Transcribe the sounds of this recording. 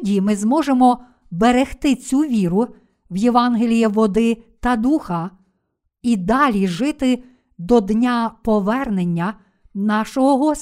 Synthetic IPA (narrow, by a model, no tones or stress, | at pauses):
dʲimɪzmɔʒemɔ | beɾext̪ɪt͡sʲuʋʲiɾʊ | ʋjeʋɑnɦelʲijiʋɔd̪ɪt̪ɐd̪uxɐ | id̪ɑlʲiʒɪt̪ɪ | d̪ɔd̪nʲapɔʋɛrnenʲːɐ | nɑʃɔɦɔɦɔsʲ